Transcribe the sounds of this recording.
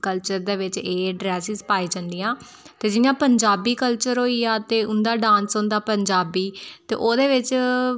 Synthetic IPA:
kəlt͡ʃəɾd̪eːʋɪt͡ʃeːɖɾɛːsɪzpaːiːd͡ʒə̃nd̪iːãː | t̪eːd͡ʒɪjãːpəɲd͡ʒaːbiːkəlt͡ʃəɾɦoːiːaːt̪eːʊnd̪aːɖãːnsõnd̪aːpəɲd͡ʒaːbiːt̪ḛːʔoːd̪eːʋɪt͡ʃ

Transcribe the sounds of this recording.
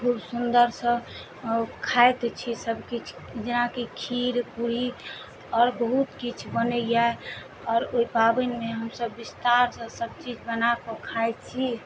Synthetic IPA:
kʰubsund̪əɾsə̃ | kʰaet̪t͡ʃʰisəbkit͡ʃʰ | d͡ʒenakikʰiɾpuɾi | ɔːɾbəɦut̪kit͡ʃʰbənəjae | ɔːɾoipabənmeɦəmsəbːist̪aɾsə̃səb̚t͡ʃid͡ʒbənakəkʰaet̪t͡ʃʰi

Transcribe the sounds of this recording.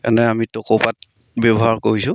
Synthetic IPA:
ka̰nɛamitɔkopat̚ | bɛbɔɦaɹkoɹisʊ̃

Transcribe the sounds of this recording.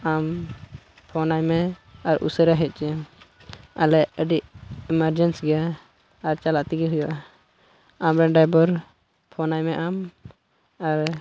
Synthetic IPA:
am | pʰɔnajmɛaɾʔṵsəɾaɦɛt̪̚t͡ʃɛ | a̰lɛʔəɖiʔɛmaɾd͡ʒɛnsɡɛjaː | ɾt͡ʃalaʔt̪iɡɛɦujɔʔa | amɾɛɳɖajbɔɾ | pʰɔnajmɛʔam | aɾ

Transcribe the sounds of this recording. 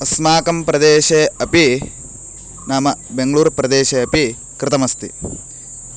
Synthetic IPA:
ɐsmaːkɐmpɾɐd̪eːʃeːɐpi | naːmɐbeŋɡɐɭuːɾpɾɐd̪eːʃeːɐpi | kɾɪt̪ɐmɐst̪ḭ

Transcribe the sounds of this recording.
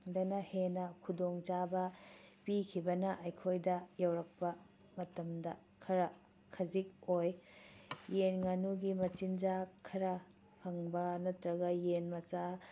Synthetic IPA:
dɐnɐhenɐkʰudoŋt͡ʃabɐpikʰibɐnɐʔɐjkʰojdɐjɐwɾɐk̚pɐ | mɐtɐmdɐ | kʰɐɾɐ | kʰɐzik̚oj | jenŋanuɡimɐt͡ʃind͡ʒakʰɐɾɐ | pʰɐŋbɐnɐtɾɐɡɐjenmɐt͡ʃa

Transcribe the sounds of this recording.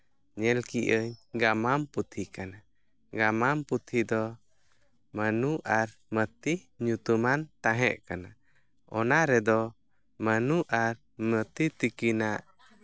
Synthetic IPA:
ɲɛlkiʔəɲɡamamput̪ʰikana | ɡamamput̪ʰid̪ɔ | mənuʔaɾmət̪i | ɲut̪umant̪ãɦɛʔkana | ɔnaɾɛd̪ɔ | mənuʔaɾ | mət̪it̪ikinaʔ

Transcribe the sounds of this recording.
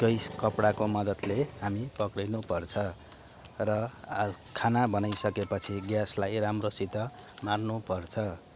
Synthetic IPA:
kʌjskʌpɽakomʌd̪ʌt̪leɦamipʌkɽinupʌrt͡sʰʌ | rʌ | kʰanabʌnajsʌkepʌt͡sʰiɡjaslajramrosit̪ʌmarnupʌrt͡sʰʌ

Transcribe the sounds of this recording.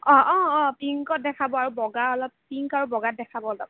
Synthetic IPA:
ɔ̃ʔɔ̃ɔ̃piŋkɔt̚dɛkʰabɔaɹubɔɡaɹɔlɔp̚piŋkaɹubɔɡat̚dɛkʰabɔlɔbɔ

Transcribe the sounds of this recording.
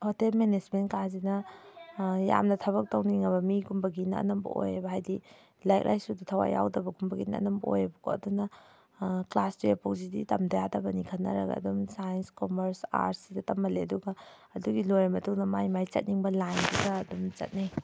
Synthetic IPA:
hotelmened͡ʒmenkazinɐ | ja̰mnɐtʰɐβɐk̚tɐwniŋɐβɐmiɡumbɐɡinɐ̰ːnɐmbɐ̰ʔo̰jabɐɦajdi | lajk̚lʔa̰jsuditʰɐwa̰ja̰wdɐbɐɡumbɐɡinɐ̰ːnɐmbɐo̰jɐbɐkʰoɐ̰dunɐ | klastiepokzidḭtɐmdɐjadɐbɐnikʰɐnːɐ̰ɾɐ̰ɡɐ̰ɐ̰dumsajnskomɐɾsa̰ɾsidɐtɐmːɐleɐduɡɐ | ɐduɡilojamɐtʰuŋnɐmajmajt͡ʃɐ̰t̚niŋbɐlajndiɡɐːdumt͡ʃɐ̰t̚naj

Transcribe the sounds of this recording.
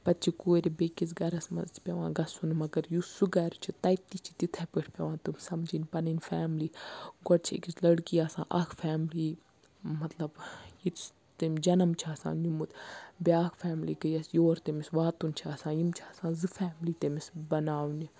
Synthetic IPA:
pɐt̪t͡ʃʰikuːɾʲibekit͡s̬ɡɐɾɐsmɐ̰z̥ʰpʲɐʋã̰ːɡɐsunmɐɡɐɾjusuɡɐɾt͡ʃʰit̪ɐjt̪ːit͡ʃʰi̥t̪it̪ʰɛpʲiʈʰpʲɐʋãːnt̪umsɐmd͡ʒinʲpɐnɨnfɛːmliːɡɔʈt͡ʃʰḛkislɐɽkiaːsã̰ːʔɐkʰfʰɛːmliː | mɐt̪lɐbjit̪ | t̪emʲd͡ʒɐnɐmt͡ʃʰaːsa̰ːnimut̪bʲiaːkʰfɛːmliɡəjɐsjoːɾt̪emisʋaːt̪unʲt͡ʃʰaːsãːjimt͡ʃʰaːsãːzɨfɛːmliːt̪emisbɐnaːʋni

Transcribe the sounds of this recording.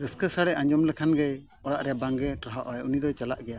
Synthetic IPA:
ɾəskəsaɽɛʔaɲd͡ʒɔmlɛkʰanɡɛj | ɔɽaʔɾɛjabaŋɡɛʈɾaɦaʔajunid̪ɔt͡ʃalaʔɡɛja

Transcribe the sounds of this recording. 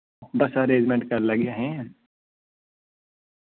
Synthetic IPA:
bɐsəɾẽːd͡ʒmẽɳʈ̚kɐɾlɐɡjaɦɛ̃

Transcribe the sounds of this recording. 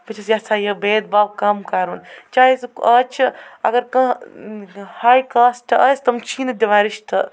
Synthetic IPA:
pɐt͡ʃʰɐsjɐsaːjɐbeːd̪̚baːb̚kɐmkaɾunt͡ʃaːjisɐt͡ʃʰɐɐ̰ɡɐɾkɐ̃ | haːjkaːsʈʰɐɐsʲt̪ɐmt͡ʃʰiːnɐd̪ʲɐʋaːɾiʃt̪ʰɐ

